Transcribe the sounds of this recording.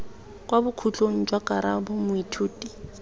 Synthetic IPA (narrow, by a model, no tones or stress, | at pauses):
kʼwabʊkʰut͡ɬʼoŋ̩d͡ʒwakʼaɾa̰bʊmʊitʰuːtʼi